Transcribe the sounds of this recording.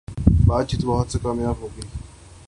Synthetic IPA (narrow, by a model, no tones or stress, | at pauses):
baːt̪t͡ʃit̪bɔɦʊt̪sekaːmjaːbɦoːɡe